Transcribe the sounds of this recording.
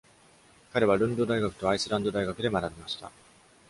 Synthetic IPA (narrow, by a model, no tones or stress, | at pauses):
kaɾe̞β̞aɾɯ̟̃nd̪o̞d̪aiɡakɯ̟̥t̪o̞aisɨɾãnd̪o̞d̪aiɡakɯ̟d̪e̞manabʲimaɕi̥t̪a̰